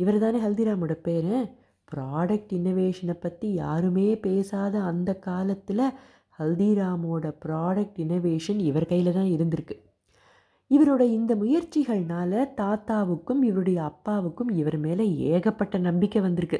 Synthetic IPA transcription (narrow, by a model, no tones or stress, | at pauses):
ɪʋɐɾt̪ãːneːɦɐld̪iːɾaːmoːɽɐpeːɾẽ | pɾaːɽɐk̚ʈɪnoːʋeːʂɐnɐpːɐt̪ːija̰ːɾɯmeːpeːsaːðɐːnd̪ɐkːaːlɐt̪ːɪlɐ | hɐld̪iɾaːmoːɽɐpɪɾaːɽɐk̚ʈɪnoʋeːʂɐnɪʋɐɾkɐjɪlɐt̪ãːɪɾɯnd̪ɪɾɯkːɯ̥ | ɪʋɐɾoɽɐɪnd̪ɐmʊjɐɾt͡ʃːɪɣɐɭnaːlɐt̪aːt̪aːʋɯkːɯmɪʋɐɾɯɽɐjɐːpːaːʋɯkːɯmɪʋɐɾmeːlɐeːɣɐpːɐʈːɐnɐmbɪkːɐʋɐnd̪ɪɾɯkːɯ